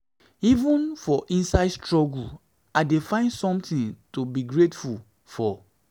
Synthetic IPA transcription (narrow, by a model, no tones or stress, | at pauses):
ivũnfɔʔĩnsaɪdstɹɔɡul | aɪdefãɪ̃ndsɔ̃mtĩntobiɡɹetful | fɔ